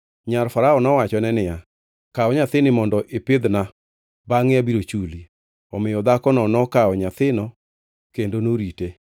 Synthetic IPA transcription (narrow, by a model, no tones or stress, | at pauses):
ɲaɾfaɾaɔnɔwat͡ʃɔnɛnɪja | kaɔɲat̪ɪnɪmɔndɔʔepɪd̪na | baŋɪjabiɾot͡ʃuli | ɔmɪjɔd̪akɔnɔnɔkaɔɲat̪ɪnɔ | kendonoɾite